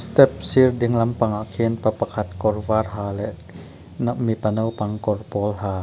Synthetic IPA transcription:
st̪ep̚sirdiŋlampaŋʔaʔkʰeːnpapːakʰat̪̚kɔrwaːrɦaːlɛʔ | naʔmipanawpaŋkɔrpɔːlhaː

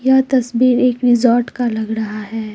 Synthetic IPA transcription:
jat̪ɐsbiːɾeːkɾɪzɔːɾʈkalɐɡɾɐɦaɦɛː

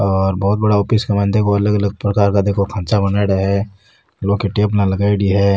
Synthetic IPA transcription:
ɔːɾbɔːt̪̚bɐɽaoːpiskamãːnd̪ekoɐləɡɐləɡ̚pɾɐkaːɾkad̪eːkʰokʰãːt͡ʃabɐnaɽaɦɛ | loːkiʈeːpnalɐɡaːid̪iɦɛ

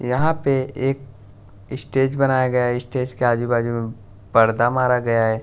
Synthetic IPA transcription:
jɐɦãpeeːk̚ | ɪsʈeːd͡ʒbɐnaːjaɡɐjaɦɛɪsʈeːd͡ʒkeaːd͡ʒ̪ibaːd͡ʒomẽ | bɐɾd̪amaːɾaɡɐjaɦɛː

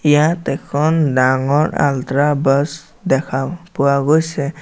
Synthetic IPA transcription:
ijat̪ɛkʰɔndaŋɔɹa̰lt̪ɾabɔs | d̪ɛkʰapʊwaɡojsɛ

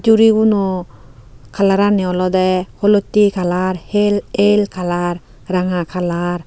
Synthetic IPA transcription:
d͡ʒuɾibunɔ | kʰalaɾanɛɔlɔd̪ɛhɔlot̪ikʰalaɾhelelkʰalaɾ | ɾaŋakʰalaɾ

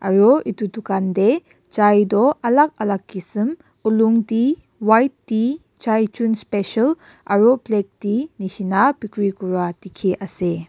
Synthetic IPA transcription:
a̰ɾɔʔitutukande | t͡ʃajdɔʔɐlak̚alakːisɯm | uluŋdi | wajt̚ːi | t͡ʃajt͡ʃunspesal | ʔa̰ɾɔblek̚dinisinapikɾikuɾatikʰiʔase

